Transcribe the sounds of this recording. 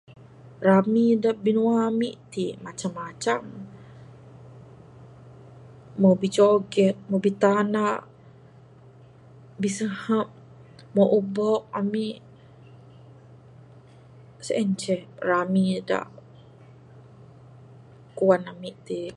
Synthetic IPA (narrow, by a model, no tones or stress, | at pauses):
ramidaʔbinuamḭʔt̪imat͡ʃamːat͡ʃam | obit͡ʃoɡɛt̪̚mobit̪anaʔ | bisəhap̚ | moʔubɔk̚amiʔ | səʔɛɲt͡ʃɛramida̰ʔ | kuanamiʔt̪i